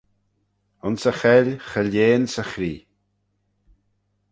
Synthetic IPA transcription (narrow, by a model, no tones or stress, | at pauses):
ʊnsəxɛlʲxəlʲeːnsəxɾiː